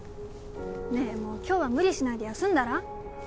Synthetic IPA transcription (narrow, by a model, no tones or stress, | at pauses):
ne̞mo̞ːkʲo̞ːβamɯ̟ɾʲiɕinaid̪e̞jasɨ̃nd̪aɾa